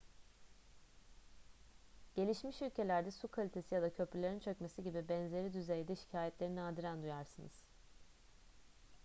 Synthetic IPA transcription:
ɟ̥e̞lʲiʃmiʃylʲcʰe̞lʲæɾd̪ɛsukʰalʲit̪ʰe̞sijad̪acʰø̞pɾylʲeɾint͡ʃʰø̞cmesiɟibibɛnze̞ɾid̪yzejd̪ɛʃi̥cʰaːjɛt̪lʲe̞ɾinaːd̪iɾænd̪ujaɾsɯnɯ̰z̥

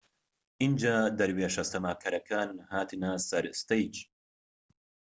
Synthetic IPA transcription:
ʔind͡ʒaːd̪ɐɾweːʃɐst̪ɐmaːkʰɐɾɐkʰaːnhaːt̪ʰɨnɐsɐɾɨst̪ɐjt͡ʃ

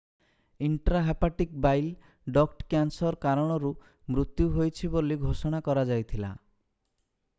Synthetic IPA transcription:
iɳʈɾaɦapaʈikbajl | ɖɔkʈkjansɔɾkaɾɔɽ̃ɔɾu | mɾut̪juɦojt͡ʃʰiboliɡʱosɔɽ̃akɔɾad͡ʒajt̪ʰila̰

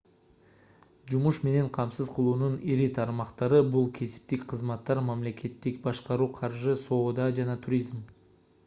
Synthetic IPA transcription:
d͡ʒumuʃme̞ne̞ɴqʰɑmsɯzqʰəlˠuːnuniɾit̪ʰɑɾmɑqt̪ɑɾɯbulˠkʲʰe̞sɪ̥p̚t̪ikqʰəzmɑt̪ːɑɾmɑmle̞kʲe̞t̪ːikbɑʃqɑɾuːqʰɑɾʒɨso̞ːd̪ɑd͡ʒɑnɑt̪ʰuɾʲizm

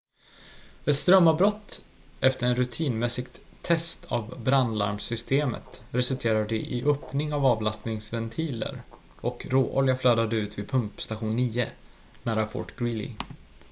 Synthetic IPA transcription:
ɛt̪st̪ɾœmːabɾɔt̪ːʔɛft̪əɾɛnɾɵt̪ʰiːnmɛsːɪɡt̪ʰːɛst̪ʰa̰vbɾanla̰ɾmsʏst̪eːmə̰t̪ɾɛsɵlt̪ʰeːɾad̪ɛʔɪʔœpnɪŋavɑːvlast̪nɪŋsvɛnt̪ʰiːlə̰ɾ | ʔɔkɾoːʔɔljafløːd̪ad̪əʉ̟ːt̪vɪd̪pʰɵmpst̪aɧuːnːiːə | næːɾafɔ̰ːʈɡɾɪlɪ̰

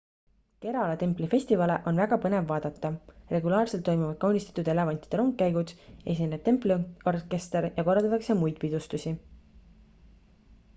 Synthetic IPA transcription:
ke̞ɾɑlet̪e̞mplife̞sʲt̪ivɑle̞ʔo̞nvæɡ̥ɑpɤne̞vːɑːd̪̥ɑt̪ˑːɑre̞ɡulɑːrse̞lt̪ːo̞jmuvɑd̪̥̚kɑwnʲist̪ɑ̥t̪ːud̪e̞le̞vɑnʲt̪ˑi̥d̪̥eɾo̞ŋɡ̚kːæjɡud̪̥e̞sʲine̥t̪e̞mplio̞rke̞st̪eɾjɑko̞rːɑld̪ɑt̪ɑkse̞mujd̪̥̚pid̪ust̪usʲi

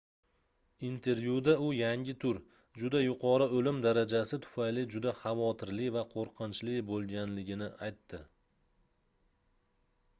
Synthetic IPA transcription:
int̪ʰe̞ɾvjud̪aʊjaŋʲɪt̪ʰʊɾ | d͡ʒʊd̪ajʊqʰɒɾɨolɪmd̪aɾad͡ʒasɪt̪ʰʊ̥fajlɪd͡ʒʊd̪aχɑvɒt̪ʰɪɾlɪvaqʰoɾqʰɨnt͡ʃlɪbolˠɡʲanlɪɡʲɪnɪajt̪ːɪ

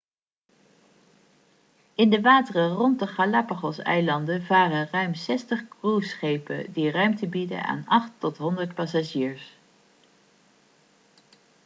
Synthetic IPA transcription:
ɪndəʋaːtərərɔntdəχalapaχɔsɛ̰jlɑndəvaːrərœɥmsɛstəχkrusχejpə̰dirœɥmtəbidə̰na̰ːnɑχtːɔtɦɔndəɹtpɑsaʒiːɹs

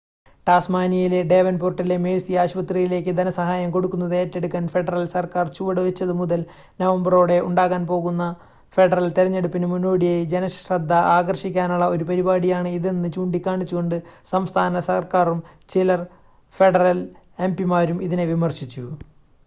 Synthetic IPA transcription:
ʈaːsmaːnijile̞ɖe̞ːʋɐnporʈːɐlemeːlsiaːɕubɐt̪ːrijile̞ːk̬ʲːɨd̪ɐnɐsɐɦaːjɐmko̞ɽukːunːɐðe̞ːtːe̞ɽuk̬ʲːaːnfe̞ɖɐrɐlsɐrkaːrt͡ɕuʋɐɽɨʋɐt͡ɕːɐðɨmuðɐl | nɐʋɐmbɐro̞ːɽe̞ʔuɳɖaːɣaːnpo̞ːɣunːɐ | fe̞ɖɐrɐlt̪iɾɐɲːeɽupːinɨmunːo̞ːɽijejd͡ʑe̞nɐɕrɐd̪ʱːɐʔaːɡɐrɕikʲːaːnuɭːɐo̞ɾupɐɾibaːɽijaːɳɨiðenːɨt͡ɕuːɳɖikʲːaːɳit͡ɕːuɣo̞ɳɖɨsɐmst̪ʰaːnɐsɐrkaːrumt͡ɕilɐr | fe̞ɖɐrɐl | e̞mpimaːɾumiðineʋimɐrɕit͡ɕːu

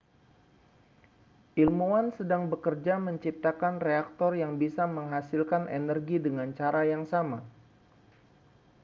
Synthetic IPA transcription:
ʔilmuansədaŋbəkərd͡ʒaməɲt͡ʃip̚t̪akanreak̚t̪ɔrjaŋbisaməŋɦasilkanʔenərɡidəŋant͡ʃaɾajaŋsama

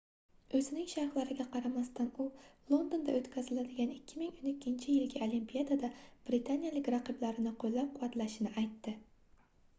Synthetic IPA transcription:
ɵzɪnɪŋʃaɾχlˠaɾɪɡʲaqʰɑɾamast̪anʊlˠo̞nd̪o̞nd̪a̰ɵt̪kʲʰazɪlad̪ɪɡʲanɪkʲʰːɪmɪŋonɪkʲʰːɪnt͡ʃʰɪjɪlɡʲɪolimpijad̪ad̪ab̥ɾɪt̪ʰanijalɪkʲɾɑqɨblaɾɪnɪqʰolːap̚qʰʊvat̪laʃɪnɪʔajt̪ːɪ

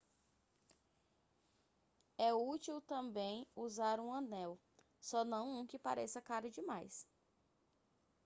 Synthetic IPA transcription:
ɛut͡ʃiwt̪ɐ̃mbẽj̃uzaɾũɐ̃nɛw | sɔnɐ̃w̃ũkɪpa̰ɾesɐkaɾʊd͡ʒɪmajs

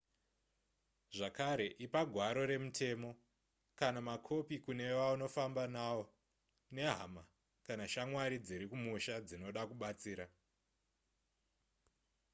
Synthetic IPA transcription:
ʐakaɾe̞ʔipaɡʱwaɾo̞ɾe̞mutʰe̞mo̞ | kanamakʰo̞pikune̞ʋauno̞fambanawo̞ | ne̞ɦa̰ma | kanaʃamwaɾid͡ziɾikumuʃad͡zino̞ɗakuɓat͡siːɾa

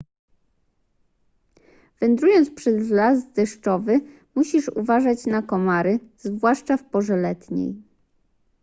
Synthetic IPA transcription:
v̥ɛnd̪ɾujɔnt̪spʂɛzlazd̪ɛʂt͡ʂɔvɘ | muɕiʂṵvaʐat͡ɕnakɔmaɾɘz̥vwaʂt͡ʂafpɔʐɛlɛt̪ɲḛj

